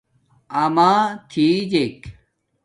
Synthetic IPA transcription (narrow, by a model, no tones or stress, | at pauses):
amat̪ʰid͡ʑek